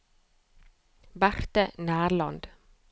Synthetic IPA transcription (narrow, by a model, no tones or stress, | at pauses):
bæɾt̪ənæːɾlɑ̰nd̪̥